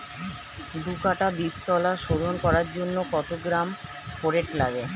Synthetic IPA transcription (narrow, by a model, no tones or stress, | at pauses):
d̪ukaʈabist̪ɔlaʃoɾonkɔɾaɾd͡ʑonːokɔt̪oɡɾam | foɾeʈlaɡe